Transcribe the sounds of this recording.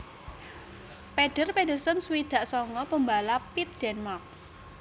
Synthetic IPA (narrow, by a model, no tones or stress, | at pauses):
peɖ̥ərpeɖərsənsuwid̪̥ä̤ʔsɔŋkɔpəmbalapit̪̚d̥ɛnmark̚